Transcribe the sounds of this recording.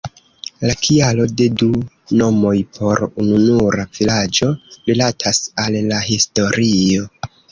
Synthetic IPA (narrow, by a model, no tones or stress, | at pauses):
lakʰialo̞de̞du | no̞mo̞jpʰo̞ɾununuɾav̥ilad͡ʒo̞ɾilatʰasalːaɦisto̞ɾio̞